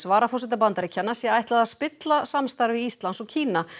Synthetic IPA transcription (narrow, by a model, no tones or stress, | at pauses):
svaːɾafɔsɪt̪ap̬ant̪aɾɪcʰɛnːasjɛaːjht̪laðaðspɪt̪lasamst̪aɾvɪist̪lansɔɣcʰiːna